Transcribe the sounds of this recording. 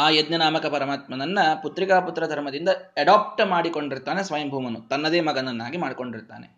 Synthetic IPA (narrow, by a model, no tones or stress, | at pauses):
aːjed̪nɐnaːmɐkɐpɐɾɐmaːt̪mɐnɐnːɐput̪ɾikaːput̪ːɾɐd̪ʱɐɾmɐd̪ind̪ɐɛɽaːp̚ʈmaːɽiko̞ɳɖiɾt̪aːnesʋɐjɐmbʱuːmɐnut̪ɐnːɐd̪eːmɐɡɐnɐnːaːɡimaːɽiko̞ɳɖiɾt̪a̰ːne